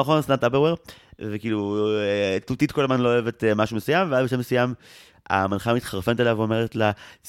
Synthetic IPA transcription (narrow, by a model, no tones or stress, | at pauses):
aχonst̪nant̪apeʁweʁvekiːlu | tut̪itkolazmanlooevetmaʃumesujamveazbeʃ̬emesujam | a̰manχamit̪χaʁfenetalavome̞ʁetla